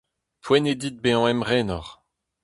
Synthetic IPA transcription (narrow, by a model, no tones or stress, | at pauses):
pwɛned̪it̪̚beɑ̃ɛmʁɛːnɔʁ